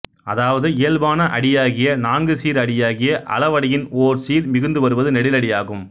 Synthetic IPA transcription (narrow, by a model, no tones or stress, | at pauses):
ɐðaːʋɐðɯɪjɐlbaːnɐʔɐɽɪjaːɣɪjɐnaːŋɡɯsiːɾɐɽɪjaːɣɪjɐʔɐ̰lɐʋɐɽɐjɪnoːɾsiːɾmɪɣɯnd̪ɯʋɐɾɯʋɐðɯnɛɽɪlɐɽɪjaːɣɯm